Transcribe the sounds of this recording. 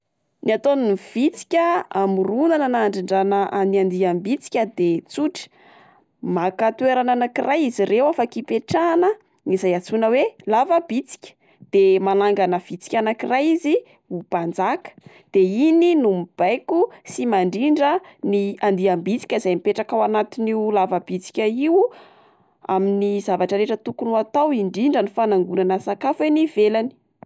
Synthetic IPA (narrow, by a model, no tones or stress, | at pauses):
niat̪onniv̥it͡si̥kʲəamurunananaɳɖ͡ʐiɳɖ͡ʐanəʔaniand̪iambit͡si̥kʲəd̪et͡suʈ͡ʂə̥ | makat̪ueɾananakirajizirewafakipeʈ͡ʂanə | ŋizajat͡sunəwelavəb̥it͡si̥kʲə̥ | d̪̥emalaŋɡanəv̥it͡si̥kʲanakirajizi | ub̥and͡zakə̥ | d̪̥eininumib̥ajkusimaɳɖ͡ʐiɳɖ͡ʐəniand̪iambit͡si̥kʲəizajmipeʈ͡ʂakawanat̪iniulavəb̥it͡si̥kʲaiw | a̰minizavaʈ͡ʂəɾeʈ͡ʂət̪ukunuat̪awiɳɖ͡ʐiɳɖ͡ʐənifanaŋɡunanəsakafweniv̥elani̥